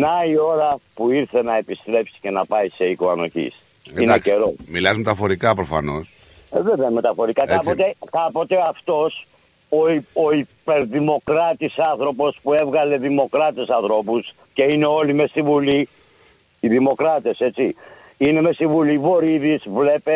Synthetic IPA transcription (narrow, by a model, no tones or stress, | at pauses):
nɐio̞ɾɐpuiɾθe̞nɐe̞pist̪ɾe̞psi̥ce̞nɐpɐise̞ikoɐno̞çḭs | inece̞ɾo̞milɐzmet̪ɐfo̞ɾikɐpɾofɐ̰no̞s | ðeðemet̪ɐfo̞ɾikɐkkɐpot̪ekɐpo̞t̪e̞ɐft̪o̞s | oioipe̞ɾðimo̞kɾɐt̪isɐnθɾo̞po̞spue̞vɣɐle̞ðimo̞kɾɐt̪e̞sɐnθɾo̞pus | ce̞ine̞o̞lime̞st̪ivuli | iðimo̞kɾɐt̪e̞se̞t͡si | ine̞me̞st̪ivulivo̞ɾiðizvle̞pe̞